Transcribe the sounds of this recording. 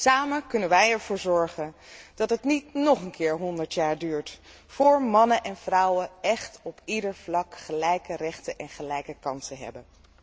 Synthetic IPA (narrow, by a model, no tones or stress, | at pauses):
saːməkɵnənʋɛjɛɹv̥ʊːɹzɔɹχənd̥ɑtɦətnitnɔχənkʰɪːɹɦɔndəɹtjaːɹdyːɹt | fʊːɹmɑnənʔɛnvrʌwəɛχtɔpidəɹvlɑkχəlɛjkərɛχtəʔɛnχəlɛjkəkɑnsəɦɛ̰bən